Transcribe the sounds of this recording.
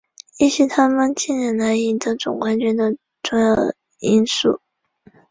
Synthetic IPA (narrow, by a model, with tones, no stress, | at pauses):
i˥˩ɕi˧˥t̪ʰa˥mə˨nt͡ɕi˥˩nɻɛ˧˥nla˧˥ɪi˨˩d̪ə˧˥ʈ͡ʂʊ̰˨˩ŋkwa˥nt͡ɕy˥˩nd̪ə˨ | ʈ͡ʂʊ˥˧ŋjɑ˥˩ʊ | i˥nsṵ˥˩